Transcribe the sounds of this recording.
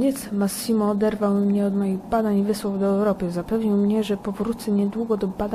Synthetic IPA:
ɲɛt̪smasʲːimɔːd̪ɛɾvawmɲɛɔd̪mɔjiɣbad̪aɲvɘswɔvd̪ɔɛwɾɔpɘzapɛvɲiwmɲɛʐɛpɔvɾut̪sɛɲɛd̪wuɡɔd̪ɔbad̪a

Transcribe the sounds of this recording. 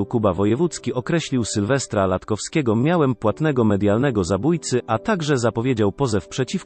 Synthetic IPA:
wkubavɔjɛvut̪skʲiʔɔkɾɛɕlʲiwsɘlvɛst̪ɾalat̪kɔfskʲɛɡɔmʲjawɛmpwat̪nɛɡɔmɛd̪ʲjalnɛɡɔzabujt̪sɘat̪aɡʐɛzapɔvʲjed͡ʑawpɔzɛfpʂɛt͡ɕif

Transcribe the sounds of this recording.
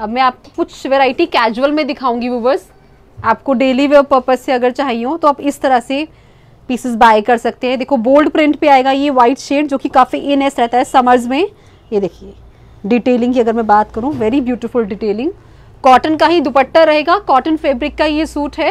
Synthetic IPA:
ɐbmɛ̃aːp̚kokʊt͡ʃʰʋeːɾaːɪʈikɛːd͡ʒuwəlmẽd̪ɪkʰaːũːŋɡiʋuʋəz | aːp̚koɖeːliʋepəɾpəsːeɐɡəɾt͡ʃaɦiɦõt̪oaːbɪst̪ɐɾəɦse | piːsɪzbaːjkɐɾsɐk̚t̪eɦɛ̃d̪eːkʰoboːlɖpɾɪ̃ɳʈpeaːeːɡajeʋaːɪʈʃeːɖ̚d͡ʒoːkikaːfiʔeːnɛsɾɛɦt̪aɦɛsɐməɾzmẽ | jed̪eːkʰieː | ɖiːʈeːlɪ̃ŋɡkiɐɡəɾmɛ̃baːt̪kɐɾũʋɛːɾibjuːʈɪfʊlɖiʈeːlɪ̃ŋɡ | kɔːʈənkaɦid̪ʊpəʈːəɾɐɦeːɡaːkɔːʈənfeːbɾɪkːaɦijesuːʈɦɛː

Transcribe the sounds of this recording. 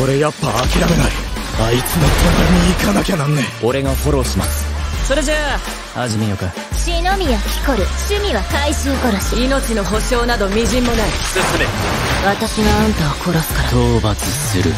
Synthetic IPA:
ko̞ɾe̞japːaːkʲiɾame̞naɾiait͡sɨnokʰoɡaɾiɲiːkanakʲanãnːẽo̞ɾe̞ɡaho̞ɾo̞ɕima̰sɨ̥so̞ɾe̞ʑa | aʑimʲijoka | ɕino̞mʲijakʲi̥ko̞ɾɯ̟ɕɨmʲiβakaiɕɨːko̞ɾoɕiino̞t͡ɕino̞ɦo̞ɕo̞ːnad̪o̞mʲiʑĩmːo̞naisɨsɨme | βat̪aɕiɡaãnt̪aβakʰo̞ɾosɨ̥kaɾat̪oːbat͡sɨsɨɾɯ̟

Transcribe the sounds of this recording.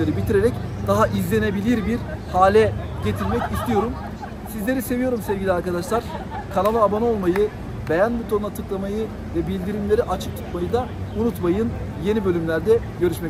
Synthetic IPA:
eɾɯbit̪ʰiɾeɾɛcd̪̥aɦaʔizlʲe̞ne̞bilʲiɾbiɾhaːlʲɛ | ɟe̞t̪ʰiɾmɛcist̪ʰijo̞ɾum | sizlʲe̞ɾise̞vijo̞ɾumsevɟilʲiaɾkad̪aʃlˠaɾ̥ | kʰanalˠɯabano̞lˠmajɯ | bejænbut̪ʰonˠat̪ʰɯklˠamajɯ | vɛbilʲd̪iɾimlʲe̞ɾiʔat͡ʃʰɯ̥k̚t̪ʰu̥t̪majɯd̪aunut̪majɯn | je̞nibø̞lʲymlʲæɾd̪ɛ | ɟø̞ɾyʃmɛ

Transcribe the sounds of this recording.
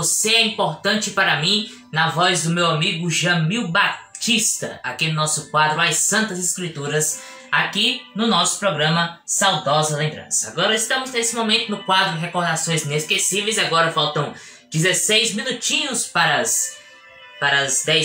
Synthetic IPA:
oseɛĩpoɾt̪ɐ̃nt͡ʃɪpaɾɐmĩ | nɐvɔzd̪ʊmewamiɡʊʒɐmiwbat͡ʃist̪ɐ̰a̰kinʊnɔsʊkwad̪ɾʊajsɐ̃nt̪ɐzɪskɾit̪uɾɐs | akinʊnɔsʊ̥pɾɔɡɾɐ̃mɐsawd̪ɔzɐlẽmbɾɐ̰̃sɐaɡɔɾɐist̪ɐ̃mʊznesɪmomẽnt̪ʊnʊkwad̪ɾʊɦekoɾd̪asõj̃zĩneskesivejzaɡɔɾɐfawt̪ɐ̃w̃ | d͡ʒizesejzmĩnut͡ʃĩɲʊspaɾɐs | paɾɐzd̪ɛ

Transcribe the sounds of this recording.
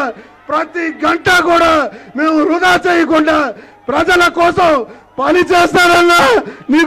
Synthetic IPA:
pɾɐt̪iɡɐɳʈɐkuːɽaːme̞ːmuɾud̪aːt͡ʃeːjɐkuɳɖaːpɾɐd͡ʒɐlɐkɔːsɐmpɐlit͡ʃeːst̪aːɾɐnːaːniːk

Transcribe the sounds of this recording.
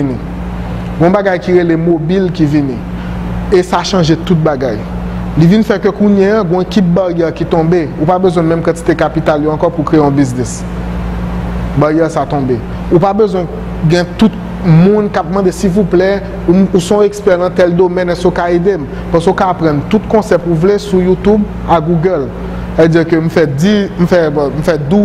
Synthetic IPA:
inĩ | ɡɔ̃baɡajkiʁelemobilkivinḭ̃ | esaʃɑ̃ʒet̪ut̪̚baɡaj | livinfɛkøkuɲɛãɡɔ̃ekip̚baʁjɛʁkit̪ɔ̃beupabøzw̃ɛ̃mɛ̃mkɑ̃t̪i̥t̪ekapit̪aljoãkɔpukʁeeɔ̃biznɛs | baʁjɛsat̪ɔ̃be | upabøzwɛ̃ | ɡɛ̃t̪ut̪̚ | mũnkap̚mãd̪esilvuplɛ | umusɔ̃ekspɛʁnãt̪ɛld̪omɛ̃nɛ̃sokaed̪em | pãsokapʁɑ̃nt̪ut̪kɔ̃sɛpuvlesujut̪ub | aɡuɡɛl | saved͡ziʁkøm̩fɛdim̩fɛm̩fɛd̪u

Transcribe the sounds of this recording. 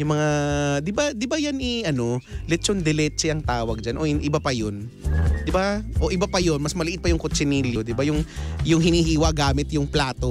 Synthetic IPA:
jʊŋmɐŋad̪ɪbad̪ɪbajanʔɛʔɐno̞lɛt͡ʃond̪ɛlɛt͡ʃɛɐŋt̪aːwɐɡ̚d͡ʒanʔo̞jnʔɪbapɐjon | d̪ɪbaʔo̞ʔɪbapɐjonmɐsmɐlɪʔɪt̪̚pɐjʊŋkot͡ʃɪniːljod̪ɪbajʊŋjʊŋɦɪnihiːwɐɡaːmɪt̪jʊŋplaːt̪o̞

